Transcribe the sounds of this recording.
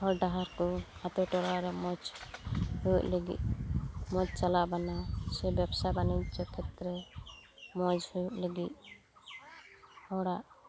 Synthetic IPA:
hɔɾɖaɦaɾkɔat̪ɔʈɔɾaɾɛmɔd͡ʒ | hujuʔleɡḭt̪̚mɔd͡ʒt͡ʃalaʔbanasɛbabsabaniɲt͡ʃɔkʰɛt̪ɾɛ | mɔd͡ʒhujuʔləɡit̪̚ | hɔɽaʔ

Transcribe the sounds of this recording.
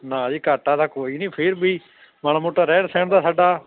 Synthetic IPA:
nãːd̪iːkaːʈaːd̪aːkoːiːnĩːpʰɪɾbʱiː | maːñãːmoːʈːaːɾɛ̃ːɽsɛ̃ːɳ̃d̪aːsaːɖaː

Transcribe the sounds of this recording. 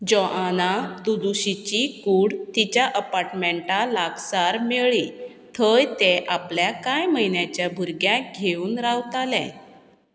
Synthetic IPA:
d͡ʑɔʔanat̪ud̪uɕit͡ɕikuːɽt̪it͡ɕjaʔəpaɾʈmẽɳʈalaɡsaɾmeɭi | t̪ʰəjt̪eʔapljakajməjnjat͡ɕjabʱuɾɡjaɡʱeuːnɾawt̪alɛ̰̃

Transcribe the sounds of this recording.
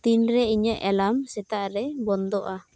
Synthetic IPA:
t̪inɾɛiɲəʔɛlamsɛt̪aʔɾɛbɔnd̪ɔʔa

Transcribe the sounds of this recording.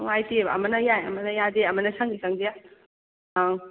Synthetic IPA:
wajtiebɐɐ̰mɐnɐjajɐ̰mɐnɐjadeɐmɐnɐsaŋɡisaŋdija

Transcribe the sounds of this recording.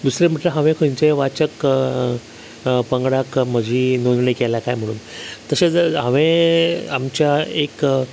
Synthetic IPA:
d̪usɾem̤əʈləɦə̃ʋẽkʰəɲt͡ɕeʋat͡ɕək | pəŋɡɽakm̤əd͡ʑʱiːnond̪ɳəjkɛlakajm̤əɽ̃uːnt̪əɕet͡saʋẽamt͡ɕjaek

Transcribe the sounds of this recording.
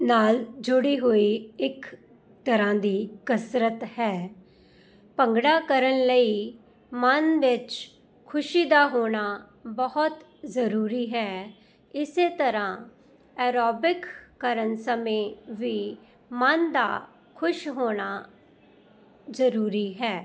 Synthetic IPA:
naːld͡ʒʊɽiːɦoːiːɪk | t̪əɾãːd̪iːkəsɾət̪hɛː | pəŋɡɽaːkəɾənləiː | mənʋɪt͡ʃ | kʰʊʃiːd̪aːɦoːɽ̃aː | bəɦʊt̪ | zəɾuːɾiːɦɛː | ɪseːt̪əɾãː | ɛːɾɔːbɪkːəɾənsəmẽːʋiː | mənd̪a̰ː | kʰʊʃɦoːɽ̃aː | zəɾuːɾiːɦɛː

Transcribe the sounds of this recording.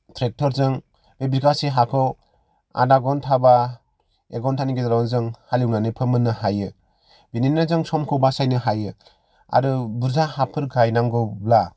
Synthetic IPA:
tʰɾek̚tʰɔɾzɯŋ | bebikaseɦakʰɯ | a̰daɡɔntʰaba | ḛɡɔntʰaniɡedɾawnzɯŋhaliwnanɯpʰɯmɯnːɯɦajɯ | bininazɯŋsɔmkʰɔbasajnɯɦajɯ | a̰ɾɯbɯɾzahapʰɯɾɡajnaŋɡɯbla

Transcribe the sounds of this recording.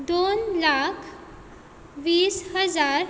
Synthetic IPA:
d̪onlakʰ | ʋiːshəd͡zaɾ

